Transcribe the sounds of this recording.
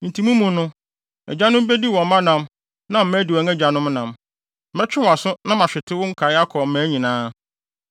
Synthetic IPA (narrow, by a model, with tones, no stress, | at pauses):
n̩˨tʰĩ˨mũ˦mũ˨nʊ̃˦ | ɛ̰˨d͡ʑa˦nʊ̃˦m˦be˦di˦wɔ̃˨˦mã˦nã˨m | nã˦m̩˦mæ˦di˨wɔ˨˦ŋɛ˦d͡ʑa˨nʊ̃˦mnã˨m̩˦ | mɛ˦t͡ɕᶣɪ˦wɔ˨a˨sʊ˦nã˦mã˨ɕᶣɪ˨tʰɪ˦wʊ̃˦ŋ̩˦kʰa˨ɪ˦a˦kʰɔ˨m̩˨mæ̃ː˨˦ɲĩ˨nãː˦